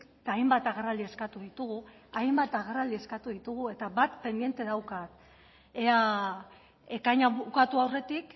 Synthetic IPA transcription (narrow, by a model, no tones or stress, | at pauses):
t̪aːjmbat̪aɣerald̪ie̞skat̪uðit̪uɣu | ajmbat̪aɣerald̪ie̞skat̪uðit̪uɣ̞ue̞t̪aβat̪pe̞nd̪ije̞nt̪e̞ðawkat̪ | ea | e̞kaɲaβukat̪uawre̞t̪ik